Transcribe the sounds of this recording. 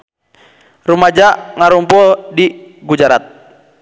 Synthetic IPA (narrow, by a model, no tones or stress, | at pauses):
rumad͡ʒaŋaɾumpɔdiɡud͡ʒaɾat̪̚